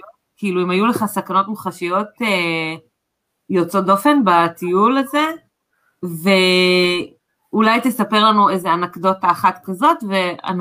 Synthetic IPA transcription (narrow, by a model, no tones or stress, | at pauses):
kiiluimajuleχasakano̞t̪muχaʃijo̞t̪e | jot͡so̞dofe̞nbat̪ijulaze̞ | ve | ulajt̪esape̞ʁlanuejzeanakdo̞taχat̪kazo̞tve̞a̰n